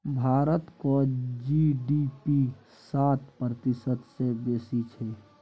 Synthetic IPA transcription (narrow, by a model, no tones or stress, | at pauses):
bʱaːɾət̪kod͡ʒiɖipi | saːt̪pɾət̪ɪsəd̪sebeːsit͡ʃʰɛ